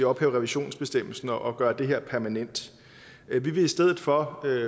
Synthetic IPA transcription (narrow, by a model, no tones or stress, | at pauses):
eɒ̽b̥hɛ̰ːʊʁɛʋiɕo̝̰ːnsb̥e̝sd̥em̰l̩sn̩ɒʔɒ̽ɡ̥ɶːɐd̥e̝ɦeɐ̰pʰæɐmænen̰d̥ | ʋiʋe̝isd̥eð̰ˠð̩ˠfɒ̽